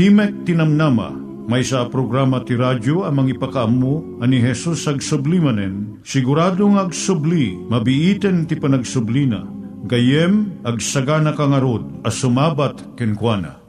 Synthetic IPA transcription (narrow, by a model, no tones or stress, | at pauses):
t̪imɛk̚t̪inɐmnama̰ | mɐjsapɾoɡɾamɐt̪iɾadoɐmɐŋipɐkaʔɐmːo | ɐniɦɛsusɐɡsʊblimɐnɛn | sɪɡʊɾaːd̪oŋɐɡsʊblimɐbɪʔit̪ɛnt̪ɪpɐnɐɡsʊblina̰ɡɐjɛmɐɡsɐɡanɐkaŋɐɾod̪̚ɐsʊmaːbat̪kɛnkwana̰